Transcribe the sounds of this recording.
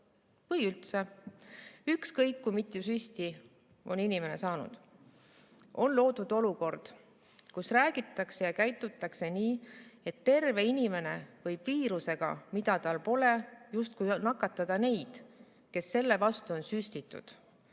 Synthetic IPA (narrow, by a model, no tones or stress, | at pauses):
vɤjylt̪se̞ | ykskɤjkːumit̪ːˑjusyst̪i | ʔo̞̰ninime̞ne̞̰sɑːnṵd̪̥ | o̞nlo̞ːd̪̥ud̪̥o̞luko̞rd̪̥ | kusræːɡ̥it̪ːˑɑkse̞jɑkæjt̪ːˑut̪ːˑɑkse̞niːe̞t̪ːe̞rve̞inime̞ne̞̰vɤjpiːɾuse̞ɡ̥ɑ̰mid̪̥ɑt̪ɑlpo̞le̞just̪̚kujnɑkːˑɑt̪ːˑɑd̪̥ɑne̞jd̪̥ | ke̞sːe̞lːe̞vɑst̪uo̞nsysʲt̪it̪ːṵd̪̥